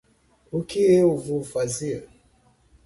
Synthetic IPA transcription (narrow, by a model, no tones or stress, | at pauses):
ukieuvufaziə